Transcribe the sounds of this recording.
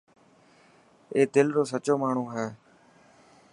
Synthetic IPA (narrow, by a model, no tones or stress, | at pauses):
eːd̪ɪlɾoːsət͡ʃoːmaːɳ̤ũːɦɛː